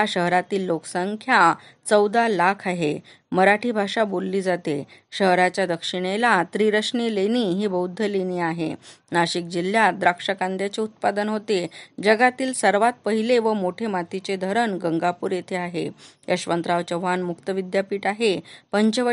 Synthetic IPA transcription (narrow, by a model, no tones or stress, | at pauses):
aɕəɦɾat̪iːlːoksəŋkʰja | t͡səwd̪alakʰaɦe | məɾaʈʰiːbʱaʂabolːiːd͡zat̪eɕəɦɾat͡ɕjad̪əkʂiɽ̃elat̪ɾiɾəʂɳiːleñiɦiːbəwd̪ʱːəleniːaɦḛ | naɕik̚d͡ʑiljad̪ɾakʂəkãnd̪jat͡seut̪̚pad̪ənɦot̪ed͡ʑəɡat̪iːlsəɾʋat̪̚pəɦileʋəmoʈʰemat̪it͡sed̪ʱəɾənɡəŋɡapuːɾjet̪ʰeaɦḛjʔə̰ɕʋənt̪ɾaʋt͡ɕəʋɦanmukt̪əʋid̪japiːʈaɦepəɲt͡ɕəʋə